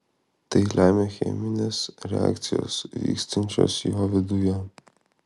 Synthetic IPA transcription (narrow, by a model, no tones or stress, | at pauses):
t̪ɛlʲʔajmʲɛxʲɛ̰mʲinʲɛsɾʲɛ̰a̰kt̪sʲijɔ̰svʲḭːksʲt̪ɐnʲt͡ʃʲɔ̰sjiɦɔvʲɛd̪ujɛ